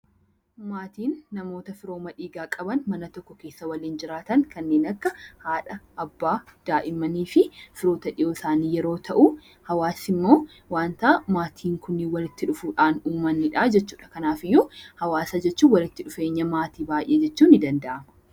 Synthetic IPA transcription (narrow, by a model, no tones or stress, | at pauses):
maːt̪iːnːɐmo̞ːt̪ɐfɪɾo̞ːmɐᶑiːɡaːkʼɐbɐnmɐnɐt̪ɔkːɔke̞ːsːɐwɐliːnd͡ʒɪɾaːt̪ɐŋkɐnːe̞ːnɐkːɐhaːᶑɐːbːaːd̪̥aːʔɪmːɐniːfɪfɪɾo̞ːt̪ɐᶑɪʔoːɪsaːniːjɛɾo̞ːt̪ʰɐʔu | hɐwaːsɪmːo̞ː | waːnt̪ɐmaːt̪ʰiːŋkʊnːɪwɐlɪt̪ːɪᶑʊfuːᶑaːnuːmɐnːɪᶑad͡ʒɛt͡ʃːuːᶑɐkɐnaːfɪjːɔhɐwaːsɐd͡ʒɛt͡ʃːuːwɐlɪt̪ːɪᶑʊfe̞ːɲːɐmaːt̪iːbaːjʔeːd͡ʒɛt͡ʃːuːnɪd̪ɐnd̪ɐʔɐmɐ̥